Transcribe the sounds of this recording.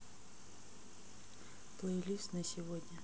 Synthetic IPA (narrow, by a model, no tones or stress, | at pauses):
plˠəjlʲisʲnəsʲɪvodʲnʲə